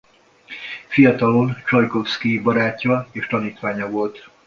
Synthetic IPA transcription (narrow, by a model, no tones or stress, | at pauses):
fijɒt̪ɒlo̞nt͡ʃɒjkofskibɒɾaːcːɒeːʃt̪ɒniːt̪ʋaːɲɒvo̞lt̪